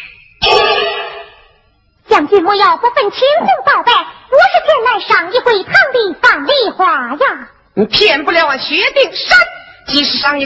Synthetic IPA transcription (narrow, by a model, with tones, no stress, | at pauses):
ɕjɑ˥˩ŋt͡ɕy˥˩mu˥˧jɑ˥˩ʊpu˥˧fə˥˩nt͡ɕʰi˧˥ŋsʊ˥˧ŋp̪ɑ˨˩ʊpe˥˩ɪpu˧˥ʂɻ̩˥˧t͡ɕʰjɛ˥˧nla˥˩ɪʂɑ˨˩ŋi˥˧xwe˥˩˧t̪ʰɑ˥˧ŋt̪i˧˥˩fɑ˨˩ŋli˥˩xwa˧˥ja˥˧˩ | pʰjɛ˥˧˩npu˥˩ljɑ˥˩ʊwa˨˩ɕɥɛ˧˥t̪i˥˩ŋʂə˥nt͡ɕi˧˥ʂɻ̩˧˩ʂɑ˥ŋi˥˧